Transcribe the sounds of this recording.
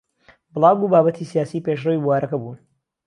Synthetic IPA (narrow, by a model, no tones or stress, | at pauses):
bɨlˠaːwɡuːbaːbɐt̪ʰisijaːsiːpeʃ̬rɐwibuwaːɾɐkɐbuːn